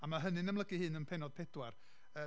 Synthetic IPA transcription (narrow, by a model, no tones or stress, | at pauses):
amaɦənɨnamlˠəɡɨhɨːnənpʰɛnɔd̥̚pʰɛd̥war | əː